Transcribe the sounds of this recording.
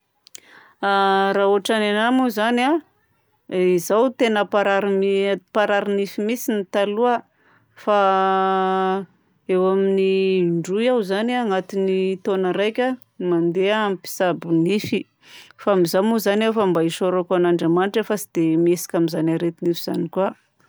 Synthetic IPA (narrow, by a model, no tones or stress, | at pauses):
aɾaːuaʈ͡ʂananamuzana | izawt̪enəpaɾaɾimpaɾaɾinifimisinit̪aluə | fa | ewaminiɳɖ͡ʐujawzanaŋat̪init̪onəɾajkʲa | mand̪eampi̥sabunifi | faamizamuzanafambaiʃoɾokanaɳɖ͡ʐamaniʈ͡ʂafasid̪̥emesi̥kʲamizanaɾet̪inifiz̥a̰nikua